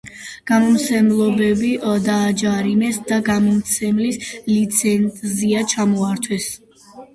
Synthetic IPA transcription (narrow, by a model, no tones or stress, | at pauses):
ɡ̥amɔmt̪sʰɛmlˠɔbɛbid̪aːd͡ʒaɾinɛsd̪aɡamɔmt̪sʰɛmlislit̪sʰɛnt̪ʼziat͡ʃʰamɔaɾt̪ʰwɛs